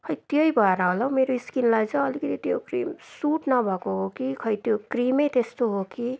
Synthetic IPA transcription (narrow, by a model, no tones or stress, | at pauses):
kʰʌjt̪jʌibʱaɾaõlʌmeɾoiskinlad͡zaʌlikit̪it̪o̰kɾḭːmsuʈnʌbʱʌkoɦokikʰʌjt̪jokɾimejt̪est̪oɦoki